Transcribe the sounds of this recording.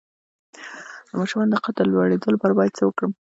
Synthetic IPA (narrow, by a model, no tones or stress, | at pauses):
d̪̥əmɑʃɾumɑnd̪əqat̪əlːwaɽed̪əlobaɾbɑjad̪̚t͡səwəkɽəm